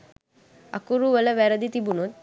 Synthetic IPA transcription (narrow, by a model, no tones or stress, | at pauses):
a̰kuɾuʋələʋɛɾəd̪it̪ibunot̪̚